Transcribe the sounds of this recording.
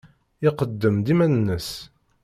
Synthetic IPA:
ɪqəd̪ːəmd̪imænənːəs

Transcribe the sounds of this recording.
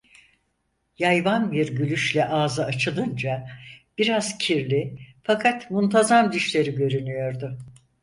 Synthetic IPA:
jajvanbiɾɟylʲyʃlʲɛʔaːzɯat͡ʃʰɯlˠɯnd͡ʒab̥iɾaz̥cʰiɾlʲifakʰat̪munt̪ʰazamd̪iʃlʲe̞ɾiɟø̞ɾynyjo̞ɾd̪ʊ

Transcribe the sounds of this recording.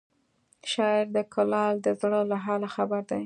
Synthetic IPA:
ʃɑɪɾd̪əkʰʊlɑld̪əzɽəlaɦɑlaxabaɾd̪aj

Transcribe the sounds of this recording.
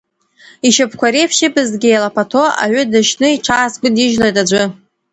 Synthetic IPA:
iʃapʰkʷaɾepʰʃibɨzɡʲejlapʰatʰoa̰ʕʷʊdɨʃnɨiʈ͡ʂʷʰaːsɡʷɨdiʒlajtʼad͡ʒʷʊ

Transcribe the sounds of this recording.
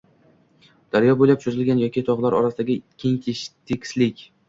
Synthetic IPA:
d̪̥aɾjɒboljap̚t͡ʃʰozɪlɡʲanjɒkʲit̪ʰɒʁlˠaɾɒ̰ɾasɪd̪aɡʲɪkʲʰeŋt̪ʲʰɪʃt̪ʰɪkʲslɪkʲ

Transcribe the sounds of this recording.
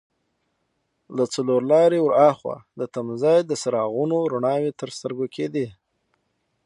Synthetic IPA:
lat͡saloɾlɑɾewɾɑxwa̰d̪ət̪amzɑjd̪əsaɾɑɣunoɾuɳɑwet̪əɾst̪əɾɡokʰed̪i

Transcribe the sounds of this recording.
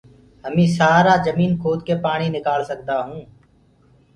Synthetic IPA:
ɦəmĩːsaːɾaːd͡ʒəmiːnkʰoːd̪keːpaːɳiːnɪkaːlsəkd̪aːɦũː

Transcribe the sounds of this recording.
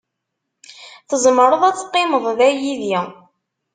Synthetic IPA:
θəzˤməɾˤəðˤæt͡sːə̥qːɪməðˤðæjiðji

